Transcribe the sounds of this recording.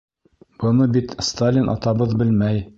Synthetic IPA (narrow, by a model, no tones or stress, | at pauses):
b̥ɤ̆nɤbit̪st̪alʲinʔɑ̰t̪ɑbɤðbɘlmæj